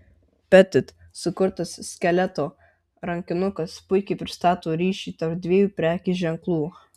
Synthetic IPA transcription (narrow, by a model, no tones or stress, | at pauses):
pʲɛt̪ʲɪt̪ | sʊkʊɾt̪ɐssʲkʲɛlʲɛt̪oː | ɾɐŋʲkʲɪnʊkɐspʊɪkʲɛɪpʲɾʲɪst̪ɑːt̪oːɾʲiːʃʲiːt̪ɐɾd̪ʲʋʲeːjuːpʲɾʲæːkʲiːʒʲɛŋklˠuː